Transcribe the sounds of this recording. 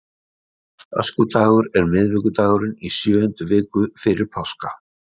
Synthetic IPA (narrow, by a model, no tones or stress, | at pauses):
œ̰skʏt̪ʰaːɣʏɾɛɾmɪðvɪkʏt̪ʰaːɣʏɾɪnisjœːʏnt̪ʏvɪːkʏfɪɾɪɾ̥pʰawska